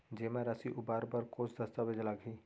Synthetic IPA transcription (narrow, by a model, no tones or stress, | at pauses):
d͡ʒeːmẽɾɐsiʔʊbaːɾbəɾkoːsd̪ɐst̪aʋed͡ʒlaɡɦiː